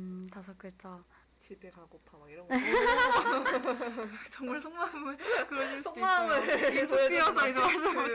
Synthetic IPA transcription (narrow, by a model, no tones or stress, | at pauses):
tasʰak͈ɯt͡ɕ͈a | t͡ɕibekaɡopʰamaiɾʌŋɡ | t͡ɕʌŋmaɭsʰoŋmamkɯɾʌisʰoŋmamɯeisaimaɭsɯ